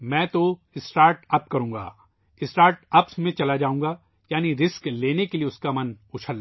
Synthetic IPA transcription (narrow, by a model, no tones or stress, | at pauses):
mɛ̃ːt̪o | ɪsʈaːɾʈɐp̚kɐɾũːŋɡa̰ː | ɪsʈaːɾʈɐpsmẽt͡ʃɐlad͡ʒaːũːŋɡa | jaːniɾɪskleːnekelieʊskamɐn | ʊt͡ʃʰəl